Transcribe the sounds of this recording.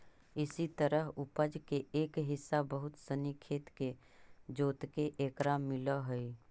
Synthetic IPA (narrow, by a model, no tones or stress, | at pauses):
ɪsit̪əɾəɦʊpəd͡ʒkeeːkɦɪsːabəɦʊt̪sənikʰeːt̪ke | d͡ʒoːt̪keʔeːkɾaːmːɪlaɦoi